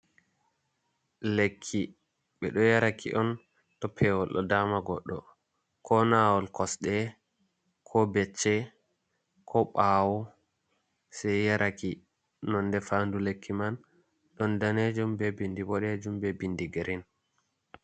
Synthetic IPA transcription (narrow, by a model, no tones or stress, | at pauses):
lekʰːi | ɓɛɗɔjaɾakʰḭʔɔn | tɔpʰɛwɔlːɔ̰daːmaɡɔɗːɔ | kʰɔnaːwɔlkɔsɗɛ | kʰɔbɛt͡ʃːɛ | kʰɔɓaːwɔ | sɛjjaɾʔaki | nɔnːdɛfaːndulekʰːiman | ɗɔndaned͡ʒumbɛbindibɔɗɛd͡ʒumbɛbindiɡeɾin